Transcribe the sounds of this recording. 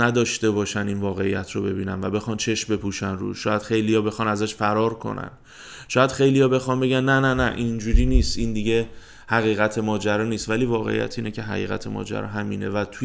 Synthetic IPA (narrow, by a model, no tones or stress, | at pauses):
næd̪ɒːʃt̪e̞bɒːʃæniːnvɒːɣe̞ijæ̰t̪ʰɾobe̞biːnænvæbe̞xɒːnt͡ʃʰe̞ʃmbe̞pʰuːʃænrṵːʃɒːjæd̪̥xe̞jlijɒːbe̞xɒːnæzæʃfæɾɒːɾkʰo̞̰næ̰n | ʃɒːjæd̪̥xe̞jlijɒːbe̞xɒmbe̞ɡɟænːænænæʔind͡ʒuɾiːniːst̪ind̪iɟe̞ | hæɣiːɣæt̪ʰe̞mɒːd͡ʒæɾɒːniːst̪væliːvɒːɣe̞̰ḭjæ̰t̪ʰiːnecʰe̞ɦæ̰ɣḭːɣæ̰t̪ʰemɒ̰ːd͡ʒæ̰ɾɒ̰ːɦæmiːne̞̰væt̪ʰu